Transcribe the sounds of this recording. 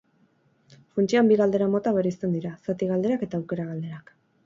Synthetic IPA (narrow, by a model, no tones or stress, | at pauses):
funt͡ʃiambiɣald̪e̞ɾamo̞t̪aβeɾist̪e̞nd̪iɾasat̪iɣald̪e̞ɾake̞t̪aːwke̞ɾaɣald̪e̞ɾak